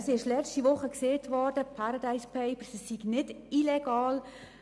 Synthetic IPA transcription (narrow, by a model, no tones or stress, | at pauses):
sɪʃlɛt͡ʃtiʋʊχəkseːtʋɔrd̥əpʰaɾadaɪspʰɛɪpəɾsisiɡnɪd | ilɛɡɑːl